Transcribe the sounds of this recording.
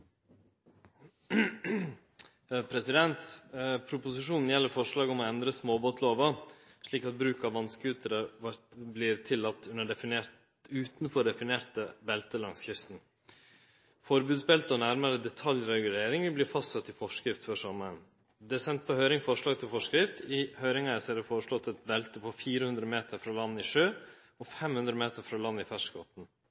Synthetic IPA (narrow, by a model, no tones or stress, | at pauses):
pʰɾɛsɪd̪ɛnt̪pʰɾʊpʊsɪʂuːnn̩jɛlːəɾfɔʂɭɑːɡɔmɔɛnd̪ɾəsmoːboːt̪ʰloːʋɑ | ʂɭiːkɑt̪̚bɾʉːkɑʋɑnskʉːt̪ʰəɾəɾʋɑbliːɾt̪ʰɪlːɑt̪ːʉnəɖɛfɪneːɾt̪ | ʉːt̪n̩fɔɖɛfɪneːɾt̪əbɛlt̪əlɑŋsçʏst̪n̩ | fɔɾbʉːd̪sbɛlt̪əɔnæɾməɾəd̪ɛt̪ʰɑljɾɛɡʉleːɾɪŋəblɪɾfɑst̪sɑt̪ːɪfɔʂkɾɪft̪fɔʂɔməɾən | d̪ɛːæsɛnt̪̚pɔhœʏɾɪŋfɔʂɭɑːɡ̚t̪ʰɪlfɔʂkɾɪft̪ɪhœʏɾɪŋɑəsd̪ɛfoːɾəʂɭɔt̪ːɛt̪bɛlt̪əpʰɔfiːɾəhʉnd̪ɾəmeːt̪ʰəɾfɾɑːlɑnːɪʂøː | ɔfɛmhʉnd̪ɾəmeːt̪əɾfɾɑːlɑnːɪfæʂɡɔːt̪n̩